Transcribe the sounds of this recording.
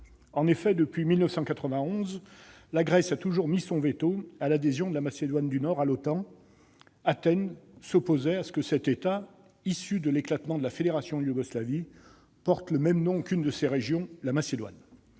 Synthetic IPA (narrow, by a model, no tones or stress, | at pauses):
ɑ̃nefɛd̪əpɥimilnəfsɑ̃kat̪χəvɛ̃ɔ̃z | laɡʁɛsat̪uʒuʁmisɔ̃vet̪oalad̪ezjɔ̃d̪əlamased̪wand̪ynɔʁalot̪ɑ̃ | at̪ɛnsɔpozɛasə̥kəsɛt̪et̪a | isyd̪əleklat̪mɑ̃d̪əlafed̪eʁasjɔ̃juɡɔslavi | pɔʁt̪ləmɛmnɔ̃kynd̪əseʁeʒjɔ̃lamased̪wa̰n